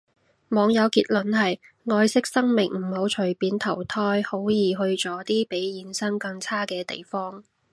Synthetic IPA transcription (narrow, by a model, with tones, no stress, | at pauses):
mɔː˨˧ŋjɐ˨˧wkiː˧t̚lɵ˨˥nhɐ˨j | ŋɔː˧jsɪ˥k̚sɐ˥ŋmɪ˨˩ŋm̩˨˩ho˨˥wt͡ʃʰɵ˨˩piː˨˥nt̪ʰɐ˨˩wt̪ʰɔː˧˥jho˨˥wjiː˨˩ɦɵ˧ɥt͡ʃɔː˨˥t̪iː˥pe˨˥jjiː˨˧nsɐ˥ŋkɐ˧ŋt͡sʰaː˥kɛː˧t̪ḛ˨˩jfɔː˥ŋ